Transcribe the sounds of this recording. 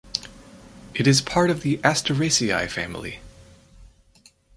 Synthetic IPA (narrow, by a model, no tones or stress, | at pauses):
ʔɨɾɨz̥pʰɑɹɾʌvðiʔæstʰə˞eɪsia̰ɪfæ̰̃mlˠḭ